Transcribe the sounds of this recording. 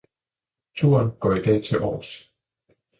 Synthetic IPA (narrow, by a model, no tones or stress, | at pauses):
t͡sʰṵːɐnɡ̥ɒ̰ːid̥ɛ̰ːt͡sʰe̝lʔɒ̰ːs